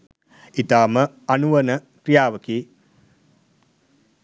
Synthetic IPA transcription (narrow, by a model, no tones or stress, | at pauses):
it̪aːmə | anuʋənəkɾijaːʋəki